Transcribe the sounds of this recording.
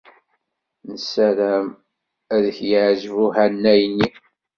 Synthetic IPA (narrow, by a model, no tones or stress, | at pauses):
nəsæɾæm | æðəçjəʕʒvuɦænːæjnːi